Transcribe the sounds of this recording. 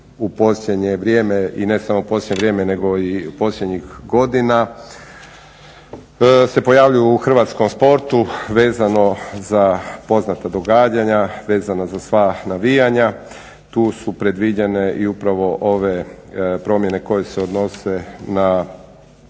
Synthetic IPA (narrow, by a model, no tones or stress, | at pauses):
upo̞sʎʲed̪ɲeʋɾʲjeːmeine̞samoupo̞sjʲeɲeʋɾje̞ːmene̞ɡo̞ipo̞sljed̪ɲixɡo̞d̪ina | se̞po̞jaːʋʎujuːxr̩ʋat̪sko̞mspo̞ɾt̪uʋe̞ːzano̞zapo̞znat̪ad̪o̞ɡaːd͡ʑaɲaʋe̞ːzanazasʋanaʋijaɲa | t̪uːsupɾe̞d̪ʋid͡ʑene̞ʔiupɾaʋo̞ʔo̞ʋepɾo̞mje̞ne̞ko̞jeseo̞d̪no̞se̞na